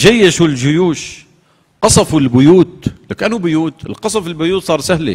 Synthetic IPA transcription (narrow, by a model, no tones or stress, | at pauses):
ʒajːaʃuːlʒʊjuːʃ | qɑsˤɑfʊlbʊjuːt̪̚lakʔanʊbʊjuːt̪ɪlqɑsˤɑfɪlbʊjuːt̪sˤɑːɾˤsahlḭ